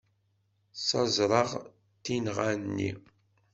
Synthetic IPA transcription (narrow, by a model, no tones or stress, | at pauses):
sɑzˤɾˤɑʁ | t̪ːinʁanːḭ